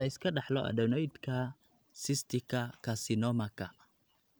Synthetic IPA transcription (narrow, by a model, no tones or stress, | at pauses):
ɐɪskʰɐɖɑħlɔʔɐ̰dɔnɔjd̪kʰɐ | sɪst̪ʰɪkʰɐkʰɐsɪnɔmɐkʰɐ